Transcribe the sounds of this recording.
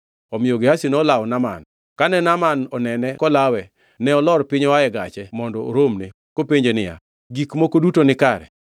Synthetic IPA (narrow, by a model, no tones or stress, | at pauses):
ɔmɪjoɡɪasinɔlawnama̰n | kanɛnamanɔnɛnɛkɔlawɛ | nɛɔlɔɾpɪɲɔwaɛɡat͡ʃɛmɔndɔo̰ɾomne | kopeɲd͡ʒenɪja̰ | ɡikmokodutonɪkaɾɛ̰